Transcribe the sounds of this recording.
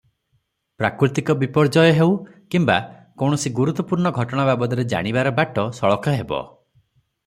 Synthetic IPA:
pɾakɾit̪ikɔbipɔɾd͡ʒɔjɔɦewkimbakɔwɽ̃ɔsiɡuɾut̪ːɔpuɾɳɔɡʱɔʈɔɽ̃ababɔd̪ɔɾed͡ʒa̰ɽ̃ibaɾɔbaʈɔsɔɭɔkʰɔɦebɔ̰

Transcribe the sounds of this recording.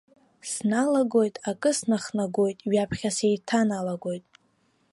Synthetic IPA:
snalaɡo̞jtʼakʼɨsnaχnaɡo̞jtʼɥapʰχʲasejtʰanalaɡo̞jtʼ

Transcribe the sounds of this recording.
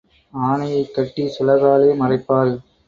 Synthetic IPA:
aːɳɐjɐɪkːɐʈːisɔlɐɣaːleːmɐrɐɪpːaːl

